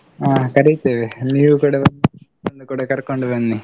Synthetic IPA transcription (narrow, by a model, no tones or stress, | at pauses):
aːkɐɾit̪eːʋeniːʋukuːɽɐbɐni | ɐnd̪ukuːɽɐkɐɾkoɳɖubɐnːi